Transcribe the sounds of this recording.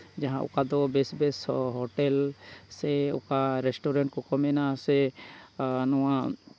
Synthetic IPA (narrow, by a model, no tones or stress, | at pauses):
d͡ʒaɦãʊ̰kad̪ɔbesbesɦoʈelseʊ̰kaɾesʈoɾẽɳʈ̚kɔkɔmenase | nɔwã